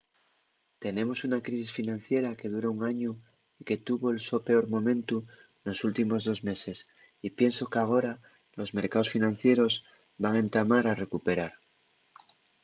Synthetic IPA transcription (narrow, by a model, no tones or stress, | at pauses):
t̪e̞ne̞mo̞sunakɾisisfinãn̟θje̞ɾake̞ðuɾouŋaɲo | ike̞t̪uβo̞elso̞pe̞o̞ɾmõ̞mẽ̞nt̪u | no̞sult̪imo̞zðo̞zme̞se̞s | ipje̞nso̞keaɣ̞o̞ɾa | lo̞zme̞ɾkao̞sfinãn̟θje̞ɾo̞z | baŋẽ̞nt̪amaɾare̞kupeɾaɾ